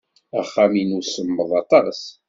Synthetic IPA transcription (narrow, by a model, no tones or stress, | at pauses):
æχːaminusəmːəðˤɑt̪ˤɑs